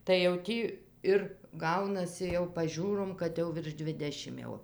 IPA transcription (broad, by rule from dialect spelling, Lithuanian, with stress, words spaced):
tɐɪ jɛʊ ˈtʲiː ˈɪr ˈɡɐʊnɐsʲɪ jɛʊ pɐˈʒʲuːroːm kɐt ˈjɛʊ ʋʲɪrʃ ˈdʲʋʲɪdʲɛʃʲɪm ˈjɛʊ